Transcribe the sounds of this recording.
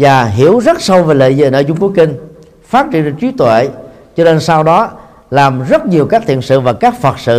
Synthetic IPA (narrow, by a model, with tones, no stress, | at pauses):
vaː˨˩ɦi˧˩əwzə˦˥t̚sə˧wve˨˩lə̰˧˨zḭ˧˨nʔəː˧˩˦t͡ɕʊ˧ŋ͡mku˨˦ki˧ŋ̟ | faː˦˥t̚t͡ɕḭ˧˨ən˨˦t͡ɕwi˨˦t̪wḛ˧˨ | t͡ɕɔ˧ne˧nsaː˧wɗɔ˨˦ | laː˨˩mzə˦˥t̚ɲi˨˩əwkaː˦˥k̚t̪ʰḭ˧˨ənsɨ̰˧˨vaː˨˩kaː˦˥k̚fə˨˩t̚sɨ̰˧˨